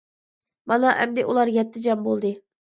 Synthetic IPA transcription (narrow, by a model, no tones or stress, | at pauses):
mɑnɑʔɛmd̪ɪʔulˠɑɾjʲɛt̪ːɪd͡ʒɑmbolˠd̪ɨ